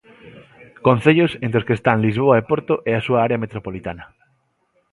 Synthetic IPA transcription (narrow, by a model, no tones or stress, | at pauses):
kõn̟θeʎosẽnt̪ɾoskest̪aŋlizβ̞oaepoɾt̪oʔeasuaaɾeɐmet̪ɾopolit̪anɐ